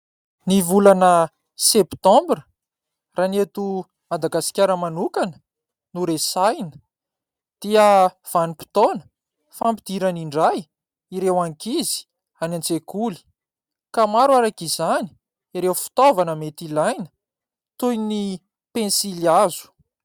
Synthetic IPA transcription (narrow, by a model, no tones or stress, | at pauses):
nivulanə | sept̪ɔ̃mbrə | ranet̪u | mad̪aɡasi̥kʲaɾəmanukanə̥ | nuɾesajnə | d̪̥iə | v̥anipi̥t̪onə̥ | fampid̪̥iɾaniɳɖ͡ʐaj | iɾewaŋkizi̥ | anant͡sekuli̥ | kamaɾwaɾakizani̥ | iɾewfi̥t̪ovanəmet̪ilajnə̥ | t̪ujni | pẽnsiliazu̥